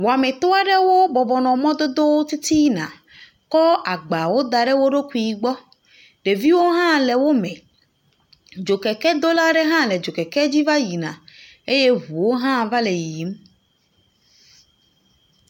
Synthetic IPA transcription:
wo˨a˨mẽ˨t̪o˦a˦ɖe˦wo˦bɔ˨bɔ˨nɔ̃˨mɔ̃˦d̪o˦d̪o˦wo˦t̪i˦t̪i˦nã̰˨ | kɔ˦ʔa˨ɡ͡ba˨wo˦d̪a˨ɖe˦wo˦ɖo˦kʷi˦˨i˨ɡ͡bɔ˦ | ɖe˨vi˦wo˦ɦã˦le˨wo˦mɛ̃˨ | d͡ʒo˨kɛ˨kɛ˦d̪o˦la˦ɖe˦ɦã˦le˨d͡ʒo˨kɛ˨kɛ˦d͡ʑi˦va˦ji˨nã̰˨ | e˦je˦ɦu˨wo˦ɦã˦va˦le˨ji˨ji˨˦m

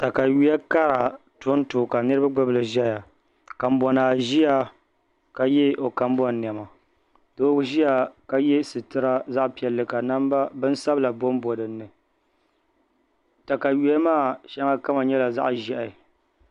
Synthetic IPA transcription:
ta˨ka˨ɥi˦a˦ka˦ɾa˨tʊ˦n˦toː˨ka˨nɨ˦ɾɨ˦ba˦ɡ͡bɨ˦bɨ˨lɨ˨ʒɛ˦ja˨ | ka˨m˦bɔ˨naː˨ʒi˦a˦ | ka˨jɛ˦o˨ka˨mbɔ˦nː˨ɛ˨ma˨ | do˦ʒi˦a˨ka˦jɛ˦sɨ˨tɨ˦ɾa˦za˦ʔpi˨ɛ˨lːɨ˨ka˨na˦mba˦bɨ˦n˦sa˦bɨ˦la˨bo˦mbɔ˨dɨ˨nːɨ˨ | ta˨ka˨ɥi˦a˦maː˦˨ʃa˦ŋa˦ka˦ma˨ɲɛ˦la˨za̰˦ʔʒɛ˦ʔa˨ɪ˨

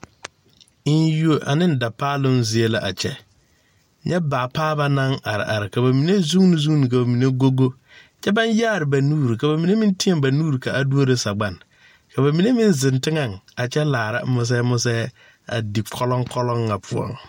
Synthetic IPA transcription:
ɪ˦n˦ju˦o˨ʔa̰˨nɪ˦n˨da˨paː˦lʊ˦nzɪ˨e˦la˨ʔa̰˨t͡ʃɛ̰˦ | ɲɛ˦baː˨paː˦ba˦na˦ŋa̰˨ɾɪ̰˨ʔa̰˨ɾɪ˨ka˨ba˨mi˨ne˦zu˦ŋ˦ni˨zu˦ŋni˨ka˨ba˨mi˨ne˦ɡo˦ɡo˦ | t͡ʃɛ˦ba˦njaː˦˨ɾɪ˨ba˨nuː˦ɾi˨ka˨ba˨mi˨ne˦mi˦n˦ti˦e˦mba˨nuː˦ɾi˨ka˨ʔa˨du˦o˦ɾe˦sa˨ɡ͡ba˨n | ka˨ba˨mi˨ne˦mi˦nzɪ˨ntɪ˦ŋa˨ŋa˨t͡ʃɛ˦laː˨ɾa̰˦mʊ˨s̬ɛː˦mʊ˦s̬ɛ˦ | a̰˨di˨kʰɔ˦lɔ˦ŋkʰɔ˦lɔ˦ŋːa˨pʰʊ˨ɔ̰˨ŋ

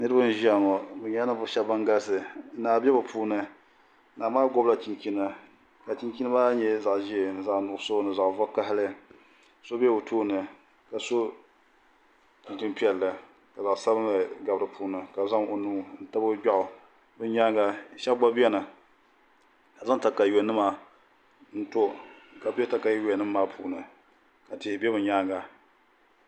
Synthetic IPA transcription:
nɨ˦ɾɨ˦ba˦n˦ʒa˦˨ŋɔ˨bɨ˨˦ɲa˦nɨ˦bʊ˦ʃɛ˦ba˦ŋɡa˦sɨ˨˦naː˨bɛ˦bɨ˨pʰuː˦nɨ˦ | naː˨maː˦ɡɔ˦bla˨t͡ʃi˨nki˦na˦ | ka˨t͡ʃi˦nki˦na˦baː˦ɲɛ˦za˨ʔʒi˦e˨nɨ˨za˨ʔnʊ˨so˦nɨ˨za˨ʔvɔ˦ka˦ɦɪ˦lɨ˦ | so˦bɛ˦o˨tʰoː˦nɨ˨ | ka˨so˦ | t͡ʃi˨ki˦npi˦ɛ˨lːɨ˨ | ka˨za˨ʔsa˦bɨ˦nɨ˨ɡa˨bɾɨ˨pʰuː˦nɨ˨ka˨za˦ŋo˨nuː˦n̩˦ta˦bɨ˦ɡ͡ba˦ʔʊ˨ | bɨ˦ɲa˦ŋɡa˦˨ʃɛ˦bɡ͡ba˦bɛ˦nɨ˨ | ka˨za˦ŋta˨ka˨jɛ˨nːɨ˦ma˨ | n̩˦to˦ka˨bɛ˦ta˦ka˨jjo˨nːɨ˦mːaː˦pʰṵː˨nɨ˨ | ka˨tɪ˨hɪ˨bɛ˦bɨ˨ɲaː˦ŋɡa˨

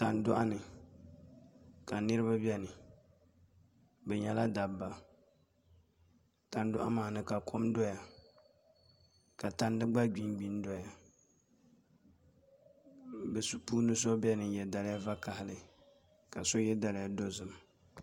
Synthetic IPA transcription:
ta˨ndʊ˦ʔa˦nɨ˨ | ka˨nɨ˦ɾɨ˦ba˦bi˦ɛ˦nɨ˨ | bɛ˨ɲɛ˦la˦da˨bːa˨ | ta˨n˦dʊ˦ʔa̰˦maː˨nɨ˨ka˨kʰo˦mdɔ˦ja˨ | ka˨ta˦ndɨ˦ɡ͡ba˦ɡ͡bi˦nɡ͡bi˨˦n˦do˦ja˨ | bɛ˨su˨puː˦nɨ˦so˦bɛ˦nɨ˨jɛ˨da˨lja˦va˦ka˨hɪ˦lɨ˨ | ka˨so˦jɛ˦da˨lɪ˦ja˦do˦zɨ˨m

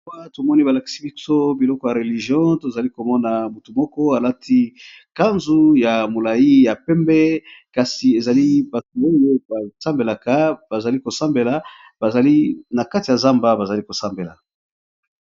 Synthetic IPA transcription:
a˦to˨mɔ˦ni˦ba˨la˨ki̥˨si˦bi˦so˦bi˨lɔ˦kɔ˦ja˨ʁe˨li˨ʒjɔ̃˦to˨za˨li˦ko˨mɔ˦na˨mu˨tu˨mɔ˦kɔ˦a˨la˦tʰi˦ | ka˦nzu˦ja˨mo˨la˨ji˦ja˨pɛ˦mbɛ˦ka˨si˨e˨za˨li˦ba˨tu˨o˦je˦ba˨ta˦mbe˨la˨ka˦ba˨za˨li˦ko˨sa˦mbe˨la˨ | ba˨za˨li˦na˨ka˦ti˨ja˨za˦mba˦ba˨za˨li˦ko˨sa˦mbe˨la̰˨

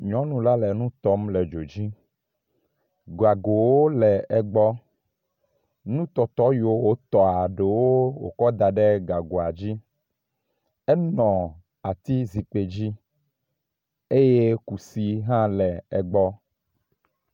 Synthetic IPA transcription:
ɲɔ̃˨˦nũ˨la˦lɛ˨nũ˦t̪ɔ˦mle˨d͡ʒo˨d͡ʑi˦ | ɡa˨ɡo˨wo˦lɛ˨ɛ˨ɡ͡bɔ˦ | nũ˦t̪ɔ˨t̪ɔ˦jo˦wo˦t̪ɔ˨a˨ɖe˨wo˦wo̰˨kɔ˦d̪a˨ɖe˦ɡa˨ɡo˨a˨d͡ʑi˦ | ɛ˦nɔ̃˨ | a˨t̪i˦zi˨k͡pe˨d͡ʑi˦ | e˦je˦ku˨si˨ɦã˦lɛ˨ɛ˨ɡ͡bɔ˦

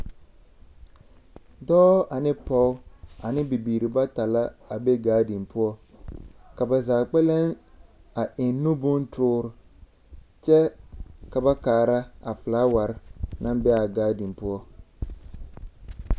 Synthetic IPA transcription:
dɔː˦a˨nɪ˦pɔ˦ʊ˦a˨nɪ˦bi˨biː˨ɾɪ˨ba˦ta˨la˦a˨be˦ɡaː˦di˨mpʊ˦ɔ˦ | ka˨ba˨zaː˨k͡pɛ˦lɛ˦na˨ɪ˨nːʊ˦bʊ˦ntʊː˦ɾʊ˨ | t͡ʃɛ˦ka˨ba˦kaː˨ɾa˦a̰˨flaː˦wa˨ɾna˦mbɛ˦a˨ɡaː˦di˨mpʊ˦ɔ˦

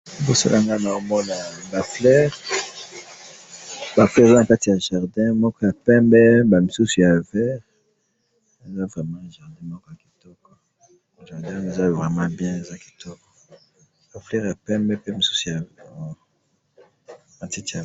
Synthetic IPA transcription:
bo˦sa̰˦lʔa˨ŋɡa˦na˨o˦mɔ˦na˨ba˨flɛ˦ʁ | ba˨flɛ˦ʁe˨za˦na˨ka˦ti˨ja˨ʒa˨ʁdɛ̃˦mɔ˦kɔ˦ja˨pɛ̃˦mbɛ˦ba˨mi˨su˦su˨ja˨vɛ˦ʁ | e˨za˦vʁɛ˨mɑ̃˦˨ʒa˨ʁdɛ̃˦mɔ˦kɔ˦ja˨ki̥˨tɔ˦kɔ˨ | ʒa˨ʁdɛ̃˦e˨za˦vʁɛ˨mã˦bjɛ̃˦e˨za˦ki̥˨tɔ˦kɔ̥˨ | ba˨flɛ˦ʁja˨pɛ̃˦mbɛ˦pe˦mi˨su̥˦su˨ja˨ | a˨ti˦ti˨a˨

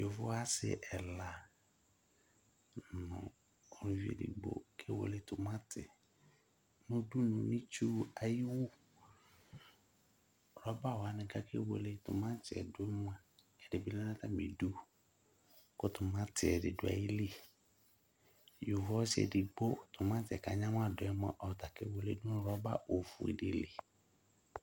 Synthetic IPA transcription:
jo˨vʊ˦a˦sɪ̰˨ʔɛ˨la˨ | nʊ̰̃˨ | ɔ˨ñ˨˦vi˦ḛ˨dḭ˨ɡ͡bo̰˦kʰe˦wo̰˨le˦tʊ˨mã˦tʰɪ˨ | nʊ̃˦du˦nʊ̃˨nĩ˦t͡ʃu˦a˨ji˦wʊ˦˨ | ɾɔ˦ba˦˨wa˨nɪ̃˨ka˦kʰḛ˦wo̰˨le˦tʊ̰˨mã˦t͡ʃɪ˨ɛ̰˨dʊ˦ɛ˦m˦a˨ | ɛ˨dɪ˨bi˦lɛ˦na˦ta˦mi˨du˦ | kʊ˦tʊ˨mã˦tɪ˨ɛ˨dɪ̰˨dʊ˨˦a̰˨ji˦li˦ | ju˨vɔ˦sɪ˦ɛ̰˨dɪ˨ɡ͡bo˦tʊ˨mã˦tɪ˨ɛ˨ka˨ɲã˦m˦a˦dʊ˨ɛ˦m˦ɛ̰˦ʔɔ˨ta˨ke˦wo˨le˦du˦nʊ̃˦ɾɔ˦ba̰˦˨o˨fṵ˨ḭ˨dɪ˨li˨

